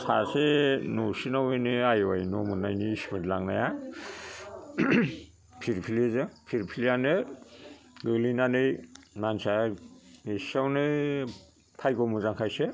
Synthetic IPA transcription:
sʰasenosinawenɯajwa̰jnɔmunːajniːsmɯtlaŋnaja | pʰiɾpʰilezɯpʰiɾpʰiljanɯ | ɡɯlinanɯjmansamesawnɯ | tʰajkɔmuzaŋkʰajsɯ

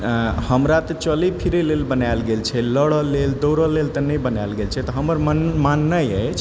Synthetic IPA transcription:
həmɾat̪ɔt͡ʃəlipʰiɾelelbənalɡelt͡ʃʰɛləɽɔleld̪oɾɔlelt̪ənəjbənajlɡelt͡ʃʰɛt̪ɔɦəməɾmənmanːəjəjt͡ʃʰ

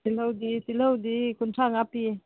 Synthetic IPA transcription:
t̪iləwd̪it̪iləwd̪ikunʈ͡ʂʰaŋapi

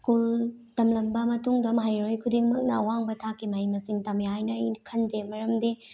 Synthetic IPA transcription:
skultɐmlɐmbɐmɐtuŋdɐmɐɦajɾojkʰudiŋmɐk̚nɐːwaŋbɐtʰakʰːimajmɐsiŋtɐmeajnɐjnkʰɐndemɐɾɐmdi

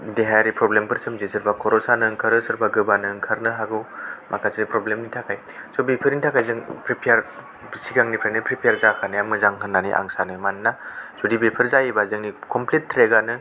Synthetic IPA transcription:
deɦajɾipɾɔblempʰɯɾsɯmzesɯɾbakʰɔɾɔsanɯŋkʰaɾɯsɯɾbaɡɯbanɯŋkʰaɾnɯɦaɡɯwmʔakʰasinipɾɔblemnitʰakʰaj | sobipʰiɾnitʰakʰajzɯŋpɾipʰijaɾ | siɡaŋnipʰɾajnɯpʰɾipʰjaɾzakʰanajamɯzaŋɦɯnːanḭʔa̰ŋsanɯmanːasodibepʰɯɾzajebazɯŋnikʰɔmpletʰːɾeɡanɯ

